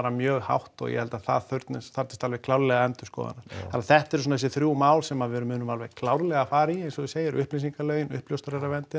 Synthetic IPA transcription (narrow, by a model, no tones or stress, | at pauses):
ɾamjœːɣha̰wht̪ɔ̰ɣjɛ̰hɛlt̪aθa̰ðθœɥɾt̪nɪsθaɾ̥t̪ɪ̥st̪alvɛklaːwɾlɛɣaɛnt̪ʏ̥skɔ̰ːða̰naɾanθɛht̪ɛɾsɔnaɛs̬ːɪθɾjuːwmaːwlsɛmaðvɪɛɾʏmːʏːnʏmalvɛɣkʰlaːwɾlɛɣafaːɾiɛsɔðʏseːjɪɾʏhplisiŋkalœːɥjɪnʏ̰hpljowst̪ɾɛɾavɛnt̪ɪ